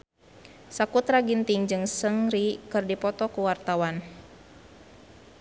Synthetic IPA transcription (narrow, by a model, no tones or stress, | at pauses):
sakut̪raɡint̪iŋd͡ʒɨŋsəŋɾikɨrdipɔt̪ɔkuwart̪awan